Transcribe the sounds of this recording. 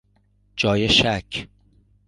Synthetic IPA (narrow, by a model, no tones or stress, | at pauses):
d͡ʒɒːjeʃæcʰ